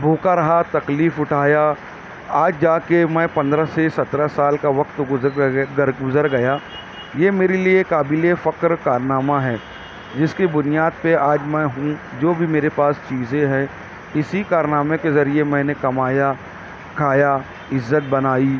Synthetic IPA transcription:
bʱoːkaɾɐɦat̪ɐkliːfʊʈʰaːja | aːd͡ʒd͡ʒaːkemɛ̃pɐ̃nd̪ɾasesɐt̪ɾasaːlkaʋɐkt̪ʊ | ɡʊzəɾɡɐjaː | jeːmeːɾeliekaːbilefɐkɾkaːɾnaːmaɦɛː | d͡ʒɪskebʊnijaːd̪̚peaːd͡ʒmɛ̃ɦũd͡ʒoːbʱimeːɾepaːst͡ʃiːzẽɦɛ̃ | ɪsikaːɾnaːmekezɐɾiemɛ̃ːnekɐmaːja | kʰaːja | ɪzːət̪̚bɐnaːiː

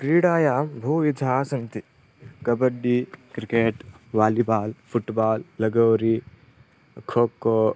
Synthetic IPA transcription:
kɾiːɽaːjaːbʱuːʋid͡ʒʱaːsɐnt̪i | kɐbɐɖːikɾikeːʈ | ʋaːlibaːlpʰuʈbaːlːɐɡɐwɾi | kʰoːko

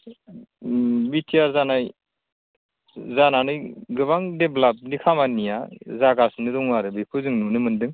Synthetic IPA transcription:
bitʰijaɾzanaj | zananɯjɡɯβaŋdeblap̚nikʰamanijazaɡasɯnɯɾuŋwaɾɯbijkʰɯzɯŋnunɯmɯndɯŋ

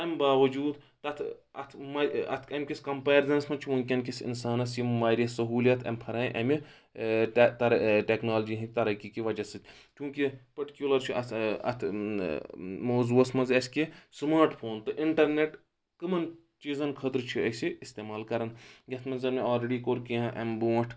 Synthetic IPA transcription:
ɐmbaːʋɐd͡ʒuːd̪t̪ɐt̪ʰɐ̰t̪ʰmɐɐ̰t̪ʰɐmʲkʲisʲkɐmpaːɾzɐnsmɐt͡ʃʰiʋoŋkʲɐnkʲisḭnsaːnɐsjimmaːɾiɐsɐɦuːlijɐt̪ʰɐ̰mpʰɐɾaːj̃ʔɐmi | t̪ɐɾʈeknaːlɐd͡ʒiɦit̪ɐɾɐkikiʋɐd͡ʒɐsit̪ʰʲ | t͡ʃʲjũːkipɐʈi̥kʲjulɐɾt͡ʃʰiɐt̪ʰɐ̰t̪ʰ | moːzuːɐsmɐnzɐsʲkesmaːɾʈpʰoːnt̪ɨʔiɳʈɐɾneʈ | kɨmɐn | t͡ʃiːzɐnkʰɐt̪ɾt͡ʃʰiɐsiist̪eːmaːlkɐɾɐnɡɐt̪ʰmɐnzɐɾmeaːlɾeɖikoːɾkiãʔɐ̰mbõːʈʰ

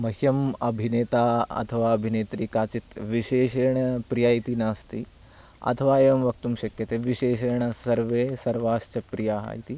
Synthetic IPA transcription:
mɐɦjɐmɐbʱineːt̪aːɐ̰t̪ʰɐʋaːɐbʱineːt̪ɾikaːt͡ʃit̪ʋiʃeːʃeːɾɳ̃ɐpɾijaːjit̪inaːst̪i | ɐ̰t̪ʰɐʋaːeːʋɐmʋɐk̚t̪umʃɐkjɐt̪eːʋiʃeːʃeːɾɳɐsɐɾʋeːsɐɾʋaːʃt͡ʃɐpɾijaːɦa̰ːjit̪i

